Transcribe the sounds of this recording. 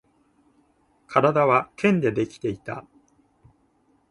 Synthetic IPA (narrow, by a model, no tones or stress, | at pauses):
kʰaɾad̪aβakʰẽ̞nd̪e̞d̪e̞kʲi̥t̪e̞it̪a̰